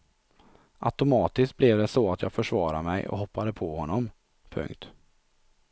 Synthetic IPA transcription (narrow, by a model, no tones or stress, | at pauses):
ʔa̰t̪ʊmɑːt̪ɪskt̪̚blɛvd̪ɛsɔat̪jɑːɡfœʂvɑːɾa̰mɛjɔ̰ɦɔpːad̪əpʰɔhɔnːɔm | pʰɵ̰ŋkt̪